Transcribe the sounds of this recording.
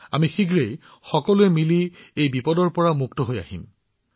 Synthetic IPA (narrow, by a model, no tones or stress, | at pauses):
a̰mixiɡɹej | xɔkɔluɛmiliejbipɔdɔɹpɔɹamuktɔɦoja̰hḭm